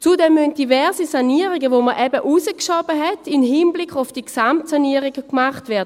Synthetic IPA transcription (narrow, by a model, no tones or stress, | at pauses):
t͡sudɛmːynt̚d̥ivɛɐsisaniəʁiɡəvoməʔɛbəʔusəkʃɔbəɦɛtʰinhinblikχʊfd̥iksamtsaniəʁiɡəkmaχtvɛːɐdə